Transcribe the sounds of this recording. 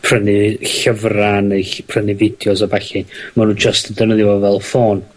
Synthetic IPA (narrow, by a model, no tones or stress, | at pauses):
pʰrənɪɬəvranəpʰrənɪvɪd̥jɔsɔbaɬimanuːnd͡ʒəstədərnəðɪvɔvɛlˠfoːn